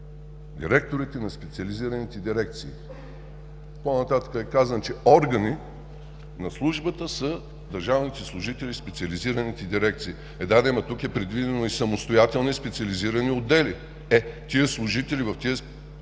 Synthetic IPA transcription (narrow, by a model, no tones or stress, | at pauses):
d̪iɾɛk̚t̪oɾit̪ɛnɐspɛt̪siɐlʲiziɾənit̪ɛd̪iɾɛk̚t̪siː | ponɐt̪at̪ə̥kəɛkazənt͡ʃɛɔɾɡəni | nɐslˠuʒbət̪əsə | d̪ɐɾʒavnit̪ɛslˠʊʒit̪ɛlʲispɛt̪siɐliziɾənit̪ɛd̪iɾɛk̚t̪siː | ɛd̪ad̪ɛmɐt̪ukɛpɾɛd̪vid̪ɛnoisɐmost̪ojat̪ɛlˠnispɛt̪siɐliziɾəniod̪ɛli | ɛt̪iəslˠʊʒit̪ɛlivɐft̪iə